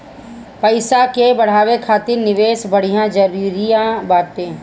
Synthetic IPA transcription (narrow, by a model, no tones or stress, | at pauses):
pɐɪsakebɐɽ̤aːwekʰaːt̪ɪɾnɪʋeːsbɐɽ̤ijãd͡ʒɐɾiɾijãbaːt̪ẽː